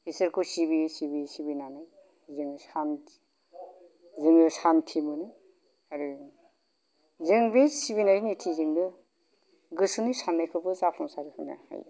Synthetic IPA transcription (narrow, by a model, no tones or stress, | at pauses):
hisɯɾkʰɯsibisibisibinanaj | zɯŋsan | zɯŋɯsantʰimɯnɯ | aɾɯ | zɯŋbesiβinaɾinitʰiziŋdɯ | ɡɯsɯnisanːajkʰɯbɯzapʰɔŋsaɾikʰɯjna̰ha̰ja̰